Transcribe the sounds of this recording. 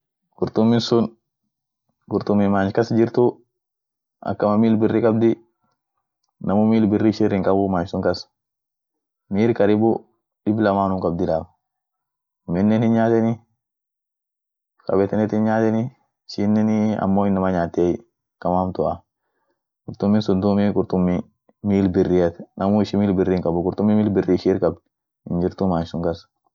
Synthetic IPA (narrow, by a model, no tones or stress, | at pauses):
ɡ̥ʊɾt̪ʊmːɪnsʊn | ɡʊɾt̪ʊmːɪmaːnt͡ʃkɐsd͡ʒɪɾt̪ʊ | ʔɐ̰kːɐmɐmiːlbɪrːɪkʼɐbd̪ɪ | nɐmʊmiːlbɪrːɪʃɪrɪŋkʼɐbʊmaːnsʊŋkɐs | miːɾkɐɾɪbʊ | ᶑɪblɐmaːnʊmkʼɐbd̪ɪlaːf | mɪnːɛnhɪnɲaːt̪ɛnɪ | kɐ̰bɛt̪ɛnɛt̪ɪnɲaːt̪ɛni | ʃinːɛniɐ̰mːoːɪnːɐmɐɲaːt̪ːej | kɐmaːmt̪ʊʔa | kʼʊɾt̪ʊmːɪnsʊnd̪ʊmikʼʊɾt̪ʊmːi | miːlbɪrːɪɐt̪nɐmuɪʃɪmiːlbɪrːɪŋkʼɐbʊkʼʊɾt̪ʊmːimiːlbɪrːiʃiɾkʼɐb | hɪnd͡ʒɪɾt̪ʊmansʊŋkɐs